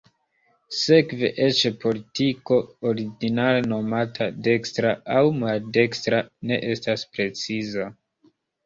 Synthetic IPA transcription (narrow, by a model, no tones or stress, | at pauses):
se̞kve̞̰ʔe̞t͡ʃepo̞litiko̞oɾiɡinaleno̞matʰade̞kstɾaawmalde̞kstɾane̞ʔe̞staspɾe̞t͡siza